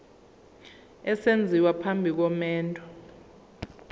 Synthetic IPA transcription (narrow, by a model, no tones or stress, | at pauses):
ɛsend͡zʱiwapʰambʱik̬ɔmɛːntʰʼɔ̥